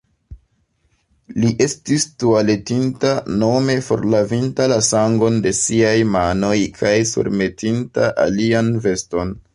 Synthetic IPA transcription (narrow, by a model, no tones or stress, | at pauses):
liʔe̞stistuale̞tintano̞me̞fo̞̰ɾlavintalasaŋɡo̞nde̞siajmano̞jkʰajsṵɾme̞tʰintaʔa̰lianve̞sto̞n